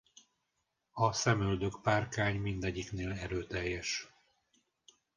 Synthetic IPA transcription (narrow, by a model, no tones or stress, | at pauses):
ɒsɛmøld̪økpaːrkaːɲmind̪ɛɟːikneːlɛɾøːt̪ɛjːɛʃ